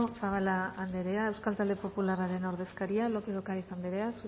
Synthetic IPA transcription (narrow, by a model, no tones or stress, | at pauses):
saβalaːnd̪eɾeaewskalt̪ald̪epo̞pulaɾaɾeno̞ɾð̞e̞skaɾialokeðokaɾiθand̪eɾeasu